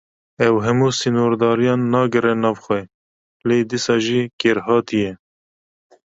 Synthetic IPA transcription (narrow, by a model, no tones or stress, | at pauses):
ɛwɦɛmuːsinoːɾd̪ɑːɾijɑːnːɑːɡɨɾɛnɑːvxʷɛ | leːd̪isɑːʒiːkeːɾhɑːt̪ijɛ